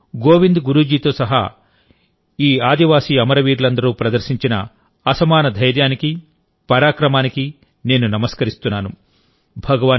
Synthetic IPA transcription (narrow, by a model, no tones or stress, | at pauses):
ɡoːʋind̪ɡuɾuːd͡ʒiːt̪o̞ːsɐɦa̰ː | iːaːd̪iʋaːsiːɐmɐɾɐʋiːɾlɐnd̪ɐɾuːpɾɐd̪ɐɾsiɲt͡ʃinɐ̰ | ɐsɐmaːnɐd̪ʱɐjɾjaːniki | pɐɾaːkɾɐmaːniki | ne̞ːnunɐmɐskɐɾist̪unːaːnu | bʱɐɡɐʋaː